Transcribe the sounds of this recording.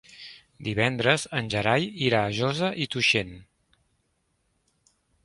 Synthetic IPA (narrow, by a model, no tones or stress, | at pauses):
d̪iβɛnd̪ɾəzənʲʒəɾajiɾaːʒozəʔit̪uʃen